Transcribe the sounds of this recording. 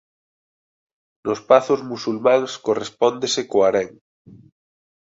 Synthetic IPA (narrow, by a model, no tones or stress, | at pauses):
nospaθʊzmusulmãŋskorespɔnd̪esekoaɾɛŋ